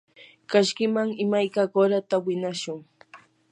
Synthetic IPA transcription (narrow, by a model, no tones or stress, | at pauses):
kaʃkɪmaŋɪmajkakoɾat̪awɪnaʃʊŋ